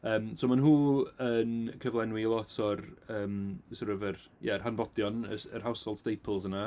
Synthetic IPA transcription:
əːmsowmanɦuːənkʰəvlˠɛnwiəlˠɔtʰɔrəːmsɔɾəvər | jɛərhanvɔdjɔnəərɦawsholˠstejpʰəl̩ˠzəna

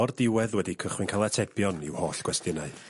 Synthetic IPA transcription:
ɔrdɪwɛðwɛdikʰəχwɪnkʰalˠatʰɛpjɔnɪ̰whoːɬɡ̥wɛstɪnaɨ

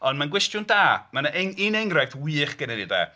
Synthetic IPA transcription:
ɔndmanɡwɪstjʊndaːmanaʔɛŋinɛŋɡrajθwiːχɡ̥ənɛnidɛ̰

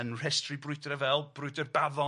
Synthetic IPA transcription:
ənr̥ɛstribrʊɨdɾɛvɛlˠb̥rʊɨdərbavɔ

